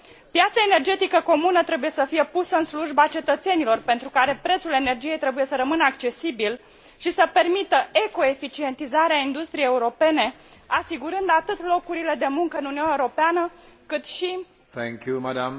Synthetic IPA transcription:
pjat̪sae̞ne̞rd͡ʒe̞t̪ikəko̞munət̪ɾe̞buje̞səfije̞pusəɨnsluʒbat͡ʃe̞t̪ət̪se̞nilo̞rpe̞nt̪ɾukaɾe̞pɾe̞t̪sule̞ne̞rd͡ʒije̞jt̪ɾe̞buje̞səɾəmɨnəakt͡ʃe̞sibil | ʃisəpe̞rmit̪əeko̞e̞fit͡ʃie̞nt̪izaɾeaind̪ust̪ɾijejeuɾo̞pe̞ne̞ | asiɡuɾɨnd̪at̪ɨt̪lo̞kuɾile̞d̪e̞muŋkəɨnuniunaeuɾo̞peanəkɨt̪ʃi | θɛ̃ŋkjumadam

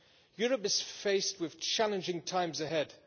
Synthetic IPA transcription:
jɔɹəpɨz̥feɪst̚wɪð̥t͡ʃʰalˠə̃nd͡ʒɪ̃ŋtʰãɪ̃mzɨɦɛd̥

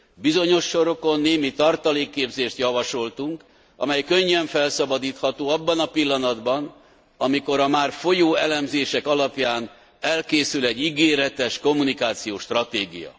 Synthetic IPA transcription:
bizo̞ɲo̞ʃːo̞ɾo̞ko̞nːeːmit̪ɒrt̪ɒleːkːeːbzeːʃt̪jɒvɒʃo̞lt̪uŋk | ʔɒ̰mɛjkøɲːɛɱfɛlsɒbɒd̪iːt̪hɒt̪oːɒbːɒnɒpilːɒnɒd̪bɒn | ɒmiko̞ɾɒmaːrfo̞joːɛlɛmzeːʃɛkɒlɒpjaːn | ɛlkeːsylɛɟːiɡeːɾɛt̪ɛʃko̞mːunikaːt̪sijoːʃt̪rɒt̪eːɡḭjɒ̰

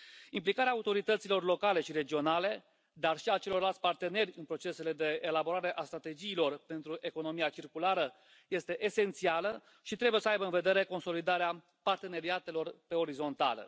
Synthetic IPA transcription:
implikaɾeaut̪o̞ɾit̪ət̪silo̞rlo̞kale̞ʃiɾe̞d͡ʒio̞nale̞ | d̪arʃiat͡ʃe̞lo̞rlalt̪sʲpart̪e̞ne̞rʲɨnpɾo̞t͡ʃe̞se̞le̞d̪e̞ːlabo̞ɾaɾe̞ʔast̪ɾat̪e̞d͡ʒiːlo̞rpe̞nt̪ɾuʔe̞ko̞no̞miat͡ʃirkulaɾə | je̞st̪e̞ʔese̞nt̪sialə | ʃit̪ɾe̞buje̞səajbəɨnve̞d̪e̞ɾe̞ko̞nso̞lid̪aɾea | part̪e̞ne̞ɾiat̪e̞lo̞rpe̞o̞ɾizo̞nt̪a̰lə̰

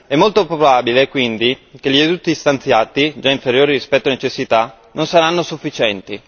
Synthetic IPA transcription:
ɛmːolt̪opɾobabilekwind̪ik̟eʎied̪ut̪ːist̪ant̪sjaːt̪id͡ʒaiɱfeɾjoːɾirispɛt̪ːoanet͡ʃesːit̪a | nʔonsaɾanːosufːit͡ʃɛnt̪i

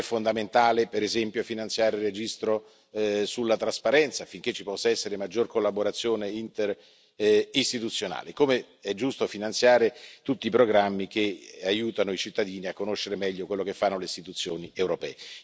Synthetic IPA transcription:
ɛfːond̪ament̪aːlepeɾezɛmpjofinant̪sjaːɾeired͡ʒist̪ɾo | sulːat̪ɾaspaɾɛnt̪safiŋk̟et͡ʃːipɔsːaɛsːeɾemad͡ʒːorkolːaboɾat̪sːjoːneint̪er | ist̪it̪ut̪sːjona̰ːlekome | ɛd͡ʒːust̪ofinant̪sjaːɾet̪ut̪ːiːpɾoɡɾamːik̟eajuːt̪anoit͡ʃit̪ːad̪iːniakːonoʃːeɾemɛʎːokwelːokefːanːoleist̪it̪ut̪sːjoːniewɾopɛ̰ːe

